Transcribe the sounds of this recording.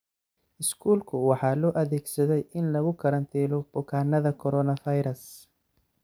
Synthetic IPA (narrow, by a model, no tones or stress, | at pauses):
ʔɪskʰuːlkʰʊwɑħɑːlɔːʔɐðɛːɡsɐðɛjɪnlɐɣʊkʰɐɾɐnt̪ʰɛːlɔb̥ʊkʰaːnːɐðɐkʰɔɾɔːnɐfɐjɾɐs